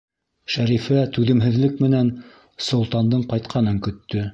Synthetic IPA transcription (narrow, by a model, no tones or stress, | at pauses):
ʃæɾifæt̪ʉðɘ̆mɦɘ̆ðlɘkmɘ̆næn | sŏlˠt̪ɑnd̪ɤɴqɑjt̪qʰɑnɤŋkɵ̆t̪ːɵ